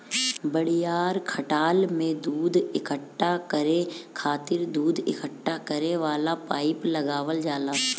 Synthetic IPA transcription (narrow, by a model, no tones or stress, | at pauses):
bəɽ̤ijaːɾkʰəʈaːlmẽd̪uːd̪ʱɪkəʈːakəɾẽkʰaːt̪ɪɾd̪uːd̪ʱɪ̰kəʈːakəɾeʋaːlapaːɪpləɡaːʋəld͡ʒaːlaː